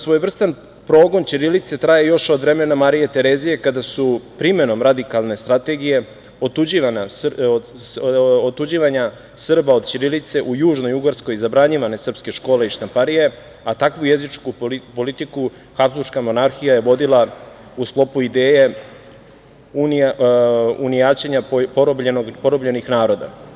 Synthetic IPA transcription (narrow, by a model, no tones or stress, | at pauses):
sʋo̞jʋr̩st̪an | pɾo̞ːɡo̞nt͡ɕiɾilit̪se̞t̪ɾajejo̞ʃo̞d̪ʋɾe̞menamaɾijet̪e̞ɾezije̞kad̪asupɾime̞no̞mɾad̪ikalˠne̞st̪ɾat̪e̞ɡije̞ | ot̪ud͡ʑiʋana | ot̪ːud͡ʑiʋaɲa | sr̩bao̞d̪̥t͡ɕiɾilit̪se̞ʔujuːʒno̞juɡaɾsko̞jizabɾaɲiʋane̞sr̩pske̞ʃko̞ːleiʃt̪ampaɾije̞ | at̪akʋuje̞zit͡ʂkupolit̪iku | xapsluʃkamo̞naɾxijajeʋo̞d̪ila | usklˠo̞puid̪eːje | un | unijaːt͡ɕeɲapobenoɡpo̞ɾobʎe̞nixnaːɾo̞d̪a̰